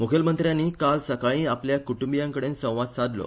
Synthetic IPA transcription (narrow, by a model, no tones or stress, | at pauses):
mokʰəlmənt̪ɾjanːiːkalsəkaɭĩːapljakuʈumbijãŋkəɽensə̃w̃ʋat̪sad̪ʱlo̰